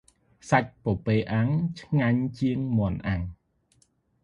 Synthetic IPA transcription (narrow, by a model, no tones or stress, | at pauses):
sac̚popeːʔaŋt͡ɕʰŋaɲt͡ɕiəŋmŏənʔaŋ